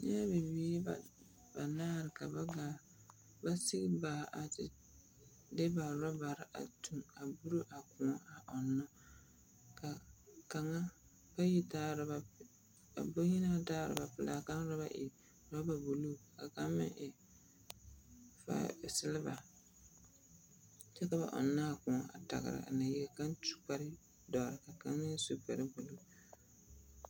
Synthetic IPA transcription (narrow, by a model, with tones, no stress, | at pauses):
ɲa˦be˨biː˦ba˨ | ba˨naː˦ɾɪ˨ka˨ba˦ɡa˨˦ | ba˦sɪ˦ɡɪ˦baː˨ʔa˨tɪ˨ | dɪ˦ba˨ɾɔ˦ba˨ɾɪ˨ʔa̰˨tu˨ŋa˨bu˦ɾo˦ʔa˨kʊ̃˨ɔ˦a˨ʔɔ˨nːɔ˦ | ka˨ka˨ŋa˦ | pa˦ji˦taː˦˨ɾɪ˨ba˨ | a˨bo˦ɲi˦na˦ba˦taː˦˨ɾɪ̰˨ba˨pɪ˦la˦ka˦n˦ɾɔ˦ba˦ʔɪ̰˨ | ɾa˦ba˨bu˨lu˦˨ka˨ka˦mɪ̰˦ʔɪ˨ | fa̰˦˨sɪ˦lɪ˦ba̰˨ | t͡ʃɛ˦ka˨ba̰˨ʔɔ̰˨nːa˦a˨kʊ̃˨ɔ˦a̰˨ta̰˨ɣɪ̰˨ɾa̰˨ʔa̰˨na˨jɛ˦˨ka˦ntu̥˨k͡pa˦ɾɪ˦ | dɔ˨ɾɪ˨ka˨ka˨˦ŋː˦ɪ˦su˨k͡pɛ˨ɾɪ˦bu˨lu˦˨